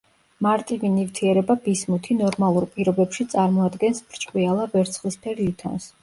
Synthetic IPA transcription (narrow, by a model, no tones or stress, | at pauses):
maɾt̪ʼivinivt̪ʰiɛɾɛbabismut̪ʰinɔɾmalˠuɾpʼiɾɔbɛpʃit̪sʼaɾmɔad̪ɡɛnsbɾt͡ʃʼqʼwialˠabɛɾt̪sʰχlispʰɛɾlit̪ʰɔ̰ns